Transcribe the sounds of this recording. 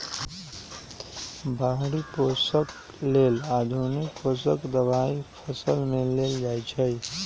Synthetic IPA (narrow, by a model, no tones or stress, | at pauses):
baɦɽiposək | lelad̪ʱunikposəkd̪əbaipʰəsəlmeleld͡ʒajt͡ʃʰəj